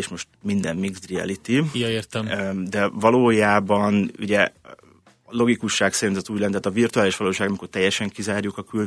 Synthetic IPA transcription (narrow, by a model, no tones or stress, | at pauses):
eːʃmo̞ʃt̪mind̪ɛmmiɡzd̪riɛ̰lit̪ijeːrt̪ɛmd̪ɛvɒloːjaːbɒnṵɟɛ | lo̞ɡikuʃːaːksɛnt̪zɛt̪uːɟlɛnːɛaːt̪ɒvirt̪uaːliʃʋɒloːʃaːɡɒmiko̞rt̪ɛjːɛʃɛŋkizaːɾjukɒkyl